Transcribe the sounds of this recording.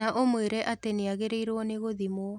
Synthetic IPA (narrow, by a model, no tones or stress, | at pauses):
aʔomweɾɛʔateneaɣeɾeiɾwɔneɣoðimo